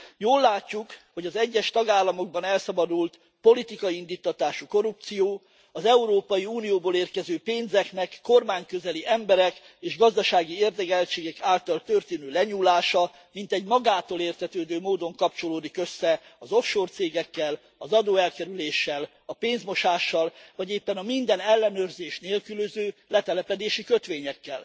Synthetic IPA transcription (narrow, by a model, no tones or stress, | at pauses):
joːlːaːcːukho̞ɟɒzɛɟːɛʃt̪ɒɡaːlːɒmo̞ɡ̚bɒnɛlsɒbɒd̪ult̪ | po̞lit̪ikɒiind̪it̪ːɒt̪aːʃuko̞ɾupt̪sijoː | ɒzɛuɾoːpɒjiuːnijoːboːleːrkɛzøːpeːnzɛknɛkːo̞rmaːɲkøzɛliʔɛmbɛɾɛk | eːʒɡɒzd̪ɒʃaːɡieːrd̪ɛɡɛlt͡ʃeːɡɛkaːlt̪ɒlt̪ørt̪eːnøːlɛɲuːlaːʃɒ | mint̪ɛɟmɒɡaːt̪oːleːrt̪ɛt̪øːd̪øːmoːd̪o̞ŋkɒp̚t͡ʃo̞loːd̪ikø̞sːɛɒzo̞fʃoːrt̪seːɡɛkːɛl | ɒzɒd̪oːɛlkɛɾyleːʃːɛl | ɒpeːnzmo̞ʃaːʃːɒlvɒɟeːpːɛnɒmind̪ɛnɛlːɛnøːrzeːʃneːlkyløzøːlɛt̪ɛlɛpɛd̪eːʃikøt̪ʋeːɲɛkːɛ̰l